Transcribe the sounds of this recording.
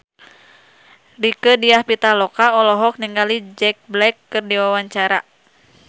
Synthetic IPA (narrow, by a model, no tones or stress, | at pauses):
likədiahpit̪alɔkaɔlɔɦɔk̚niŋɡalid͡ʒɛk̚blɛkːɨrdiwawaɲt͡ʃaɾa